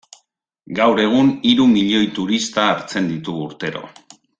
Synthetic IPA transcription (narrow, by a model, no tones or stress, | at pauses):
ɡawɾe̞ɣ̞uniɾumiʎo̞jt̪uɾist̪aːɾt͡se̞nd̪it̪uːɾt̪e̞ɾo̞̰